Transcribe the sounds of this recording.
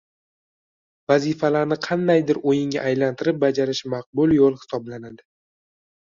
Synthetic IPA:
vazɪfalaɾnɪqʰɑnd̪ajd̪ɪɾojɪŋɡʲa̰ʔːjlant̪ʰɪɾɪp̚bad͡ʒaɾɪʃmɑq̚bʊlˠjolˠhɪ̥sɒblanad̪ɪ

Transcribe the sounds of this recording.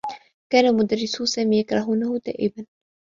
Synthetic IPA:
kaːnamʊd̪aɾːɪsʊsaːmiːjakɾˤɑɦuːnahʊd̪a̰ːʔɪban

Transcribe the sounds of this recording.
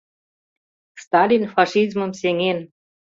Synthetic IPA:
st̪ɑlʲinfɑʃizmə̆mseŋen

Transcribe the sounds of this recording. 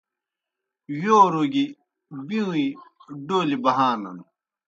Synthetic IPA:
joːɾoɡi | bĩũiɖoːlibɐɦaːnɐn

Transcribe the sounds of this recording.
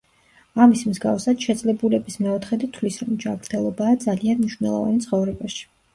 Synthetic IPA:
amismzɡa̰fsad̪ʃɛd̪zlɛbulɛbismɛɔt̪ʰχɛd̪it̪ʰvlisɾɔmd͡ʒamɾt̪ʰɛlˠɔbaːd̪zalianmiʃwvnɛlˠɔ̰va̰nt̪sʰχɔvɾɛbaʃi̥

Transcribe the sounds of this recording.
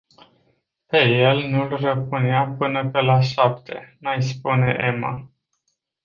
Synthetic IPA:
pe̞je̞lnulrəpɨneapɨnəpe̞laʃap̚t̪ʰe̞najspune̞ʔe̞ma̰

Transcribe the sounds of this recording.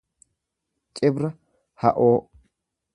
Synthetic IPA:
t͡ʃʼɛbɾɐ | hɐʔoː

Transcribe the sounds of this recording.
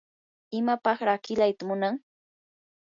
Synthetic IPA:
ɪmapɑχɾɑːkɪlajt̪amʊnaŋ

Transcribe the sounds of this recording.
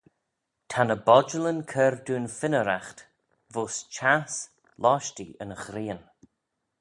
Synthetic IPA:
tʰanəbɔd͡ʒələnkʰɛɾduːnfɪnəɾaxt̪ | voːst͡ʃʰas | lʔɔʃtiə̰nəxɾiːən

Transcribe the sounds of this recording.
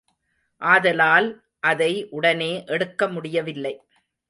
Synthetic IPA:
ʔaːðɐlaːl | ʔɐðɐɪʔʊɽɐneːʔɛɽɯkːɐmʊɽɪjɐʋɪlːɐɪ

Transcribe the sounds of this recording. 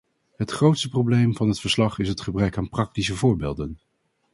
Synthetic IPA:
ɦətχrowtstəprowblejmvɑnɦətfəɹslɑχɪsɦətχəbrɛkaːnprɑk̚tisəvʊːɹbḛːlˠdən

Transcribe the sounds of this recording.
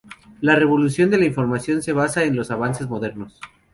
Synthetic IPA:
lare̞βo̞lusjo̞nd̪e̞laiɱfo̞ɾmasjo̞nse̞β̞asaenlo̞saβanse̞zmo̞ðe̞ɾno̞s

